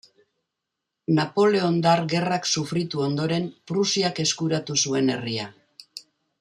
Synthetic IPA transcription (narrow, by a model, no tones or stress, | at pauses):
napo̞le̞o̞nd̪aɾɣe̞raksufɾit̪uo̞nd̪o̞ɾe̞mpɾusiake̞skuɾat̪usue̞ne̞̰ria